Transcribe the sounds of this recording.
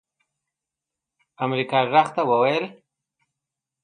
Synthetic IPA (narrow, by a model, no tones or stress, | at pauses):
amɾikɑʐaɣt̪awəwajəl